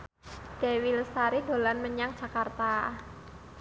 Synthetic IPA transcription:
d̥ewiləsaɾido̤lanməɲaŋd̥ʒ̥ä̤kart̪a

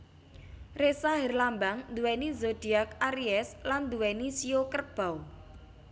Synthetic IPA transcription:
resaɦɛrlambaŋnd̪uwɛnizod̪̥i̤ak̚aɾiɛsland̪uwɛnisiokərb̥a̤w

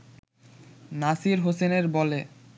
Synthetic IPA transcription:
nasiɾɦoseneɾbɔle

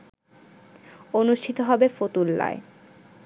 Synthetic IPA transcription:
onuʃʈʰit̪oɦɔbefot̪ulːa̰e

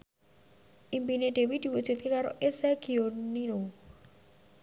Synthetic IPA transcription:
ʔimpineɖ̪̥e̤wid̪̥i̤wud̥ʒ̥ṳt̪̚kekaɾo̰ʔeseɡ̥ionino

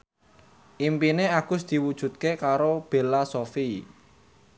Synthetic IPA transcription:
ʔimpineaɡ̥ʊ̤sd̪̥i̤wud̥ʒ̥ṳt̪̚kekaɾob̥e̤lasofi

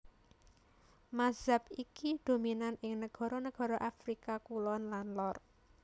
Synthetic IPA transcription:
maz̥a̤p̚ikid̪̥o̤minanɪŋnəɡ̥ɔ̤ɾɔnəɡ̥ɔ̤ɾɔʔafɾikakulɔnlanlɔr

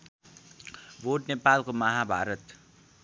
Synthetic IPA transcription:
boʈnepalkomʌɦabʱa̰ɾʌt̪

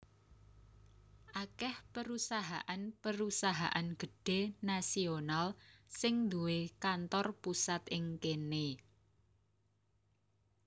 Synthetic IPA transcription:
ʔakɛhpəɾusaɦaʔanpəɾusaɦaʔanɡ̥ə̤ɖ̥e̤nasionalsɪŋnd̪uwekant̪ɔrpusat̪ʔɪŋkene

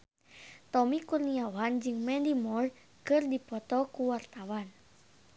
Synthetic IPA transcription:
t̪ɔmikurniawand͡ʒɨŋmɛndimɔr | kɨrdipɔt̪ɔkuwart̪awan

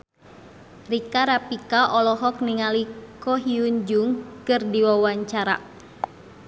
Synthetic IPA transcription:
rikaɾapikaʔɔlɔɦɔkniŋalikɔɦiuɲd͡ʒuŋkɨrdiwawaɲt͡ʃaɾa̰

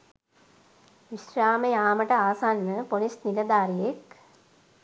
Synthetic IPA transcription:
ʋiʃɾaːmejaːməʈəaːsanːəponisnilɐd̪aːɾijek

